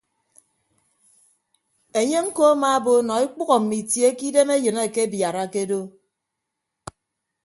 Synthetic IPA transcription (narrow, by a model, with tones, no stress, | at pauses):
e˨ɲe˦ŋ̩˦ko˦a˦ma˦˨˦bo˦nɔ˨i˦k͡pu˦ɣɔ˨m̩˨mi˨tje˦ki˦de˦me˦jɨ˨ne˦˨ke˦bja˨ɾa˦ke˦do˦